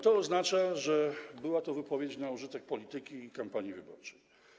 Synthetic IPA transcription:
t̪ɔːznat͡ʂaʐɛbɘwat̪ɔvɘpɔvʲjet͡ɕnauʐɘt̪ɛk̚pɔlʲit̪ɘkʲiːkampaɲivɘbɔ̰ɾt͡ʂɛj

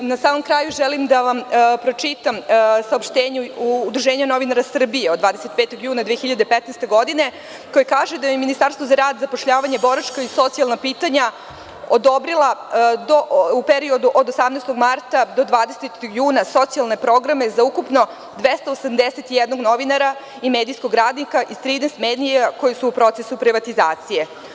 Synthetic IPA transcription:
nasaːmo̞mkɾaːjuʒelimd̪aʋampɾo̞t͡ʂit̪amsaopʃt̪eːɲuːd̪ɾuʒeːɲano̞ʋinaɾasr̩bijeod̪vʋaːd̪eset̪̚peːt̪oɡjuːnad̪ʋexçiʎad̪epɛt̪nest̪e̞ɡo̞d̪ine̞ | kojekaːʒed̪ajeminist̪aɾst̪ʋozaɾaːd̪zapoʂʎaːʋaɲebo̞ɾat͡ʃkaiso̞t̪sialˠnapiːt̪aɲa | od̪o̞bɾilˠad̪oupeɾio̞d̪uʔo̞d̪osamnest̪o̞ɡmaɾt̪ad̪o̞d̪ʋaːd̪eset̪juːnaso̞t̪sialˠne̞pɾo̞ɡɾame̞zaukupno̞ | d̪ʋest̪aosamd̪eset̪ijɛd̪noɡno̞ʋinaɾa | imed̪ijskoɡɾaːd̪nikaʔist̪ɾiːnɛst̪meːd̪ijako̞jesuːpɾo̞t̪sesupɾiʋat̪izaːt̪sije̞

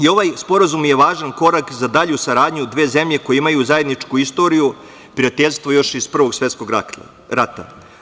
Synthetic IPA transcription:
io̞ʋajspo̞ɾazumje̞ʋaːʒanko̞ɾakzad̪aʎusaɾaːd̪ɲud̪ʋe̞ːze̞mʎe̞ko̞jeimajuzajed̪nit͡ʂkuist̪o̞ɾiju | pɾijat̪eʎʲst̪vʋo̞jo̞ʃispr̩ʋo̞ɡsʋet̪sko̞ɡ | ɾat̪a̰

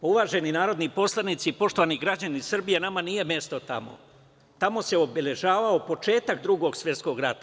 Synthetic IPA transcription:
uʋaːʒe̞ninaːɾo̞d̪nipo̞slˠanit̪siipo̞ʃt̪o̞ʋaːniɡɾad͡ʑanisr̩bijenamanije̞mje̞st̪o̞t̪a̰mo̞̰ | t̪amo̞seo̞bele̞ʒaːʋaopo̞t͡ʃe̞ːt̪akd̪ɾuɡoɡsʋje̞t̪sko̞ɡɾat̪a

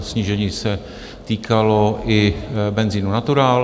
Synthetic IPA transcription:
sɲiːʒɛɲiːsɛ | t̪iːkʰaloʔɪbɛnziːnunat̪uɾaːl

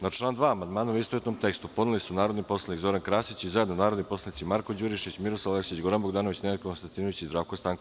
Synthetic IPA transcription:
nat͡ʃlˠaːnd̪ʋaːmand̪maːnoʋist̪oet̪nomt̪e̞kst̪upo̞d̪nilisunaːɾo̞d̪nipo̞slˠanikzo̞ɾankɾaːsit͡ɕizajed̪nonaːɾo̞d̪nipo̞slˠanit̪simaɾkod͡ʑuɾiʃit͡ɕmiɾosaleksit͡ɕɡo̞ɾanboɡd̪aːnoʋit͡ɕnemat̪kkonst̪ant̪iːnoʋit͡ɕizd̪ɾaːʋkost̪aːŋk

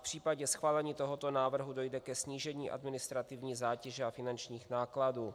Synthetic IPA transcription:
pr̝̥iːpaɟɛsxvaːlɛɲiːt̪o̞ɦo̞t̪o̞naːvr̩ɦudo̞jdɛkɛsɲiːʒɛɲiːʔa̰dmɪnɪst̪ɾat̪ɪvɲiːzaːcɛʒɛafɪnant͡ʃɲiːxnaːkladuː

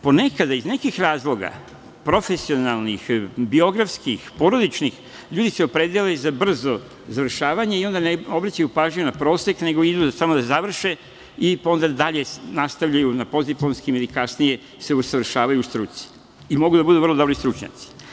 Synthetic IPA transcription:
po̞ne̞kad̪aizne̞kixɾaːzlˠo̞ɡa̰ | pɾo̞fe̞sio̞nalˠnixbio̞ɡɾafskixpo̞ɾo̞d̪it͡ʃnix | ʎuːd̪iseopɾe̞d̪elezabr̩zo | zaʋr̩ʃaːʋaɲeio̞nd̪aneo̞bɾat͡ɕajupaːʒɲujunapɾo̞ːse̞kne̞ɡo̞id̪usamod̪azaʋr̩ʃe | io̞nd̪ad̪aʎe̞nast̪aʋʎajunapo̞ziplonskime̞d̪ikasnije̞ | seusaʋr̩ʃaːʋajuːst̪ɾut̪si̥ | imo̞ɡud̪abud̪uʋrlo̞d̪o̞bɾist̪ɾut͡ʃɲa̰t̪si̥

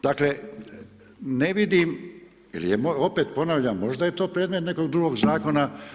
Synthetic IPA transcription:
d̪̥akle̞ | ne̞ʋid̪im | ḭlḭjemoo̞pe̞ːt̪po̞naʋʎamːo̞ʒd̪ajet̪o̞ːpɾeːd̪met̪ne̞ko̞ɡ̚d̪ɾuɡoɡzaːko̞na

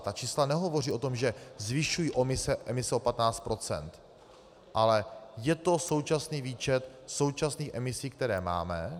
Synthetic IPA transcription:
t̪at͡ʃiːslanɛɦo̞vo̞riːo̞t̪o̞mʒɛzvɪʃujiʔo̞mɪsɛʔɛmɪsɛopat̪naːt͡st̪pɾʔo̞t͡sɛ̰nt̪ | ʔalɛjɛt̪o̞so̞wt͡ʃasniːviːt͡ʃɛt̪ | so̞wt͡ʃasniːxʔɛmɪsiːk̚t̪ɛɾɛːma̰ːmɛ

